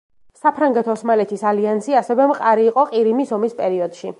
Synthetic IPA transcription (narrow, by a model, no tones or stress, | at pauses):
sapʰɾaŋɡɛt̪ʰɔsmalɛt̪ʰisaliansiasɛvɛmqʼaɾiːqʼɔqʼiɾimisɔmispʼɛɾiɔd̪̥ʃi